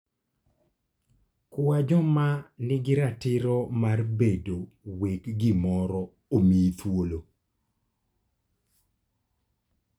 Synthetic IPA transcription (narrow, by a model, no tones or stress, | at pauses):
kwad͡ʒɔmanɪɡɪɾatɪɾɔmarbedo | wekɡɪmɔɾɔ | omit̪wolo